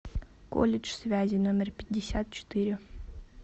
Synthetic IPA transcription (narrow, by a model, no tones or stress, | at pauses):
ko̰lʲɪʂsvʲæzʲɪnomʲɪrpʲɪt̚ʲːɪsʲat̪̚t͡ɕɪ̥t̪ɨɾʲɪ